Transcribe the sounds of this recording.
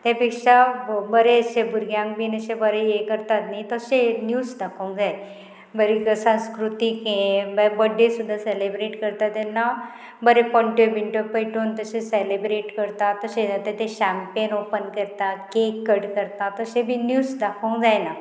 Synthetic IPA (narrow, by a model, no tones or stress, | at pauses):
t̪ẽpikʂabəɾeəsebʱuɾɡjãŋɡbinəɕẽbəɾejekəɾt̪at̪najt̪əsenjusd̪akʰoũŋkd͡zaj | bəɾikəsə̃skɾut̪ikɦẽbəbəɖesud̪ʱːaselebɾeʈkəɾt̪at̪ena | bəɾepɔ̃ɳʈebiɳʈopəjʈunt̪əsẽselebɾeʈkəɾt̪at̪əseat̪ẽt̪eɕampenopənkəɾt̪akekːəɽkəɾt̪at̪əsẽbʱinjusd̪akʰəũŋd͡zajna